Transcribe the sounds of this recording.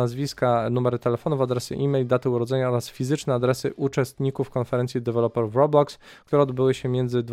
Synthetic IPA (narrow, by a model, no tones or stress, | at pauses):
azvʲiskanumɛɾɘt̪ɛlɛfɔnuvad̪ɾɛsɘ̰ʔimʲɛjld̪at̪ɘuɾɔd̪zɛɲaɔɾasfʲizɘt͡ʂnɛad̪ɾɛsɘʔut͡ʂɛst̪ɲikufkɔnfɛɾɛnt̪sʲjid̪ɛvɛlɔpɛɾuvɾɔblɔks | kt̪uɾɛɔd̪bɘwɘɕɛmʲjɛnd̪zɘd̪v